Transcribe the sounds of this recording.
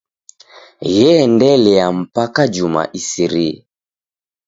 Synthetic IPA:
jɛndɛlɛjam̩pakad͡ʒuma̰ʔisiɾi

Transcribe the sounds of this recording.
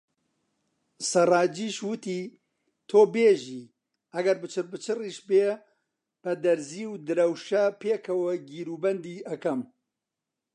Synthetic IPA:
sɐrɑːd͡ʒiːʃwɨt̪iː | t̪ʰoːbeːʒiː | ɐɡɐɾbɨt͡ʃʰɨrbɨt͡ʃʰɨriːʃbeː | b̥ɐd̪ɐɾziːwd̪ɨɾɐwʃɐpʰeːkʰɐwɐɡiːɾuːbɐnd̪iːɐkɐm

